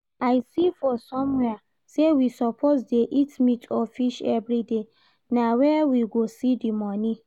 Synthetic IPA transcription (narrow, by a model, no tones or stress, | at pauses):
aɪsifɔsɔ̃mwɛa | sewisɔpʰozdeʔitmitʰɔfiʃɛvɾide | nawɛwiɡosidimɔ̃nĩ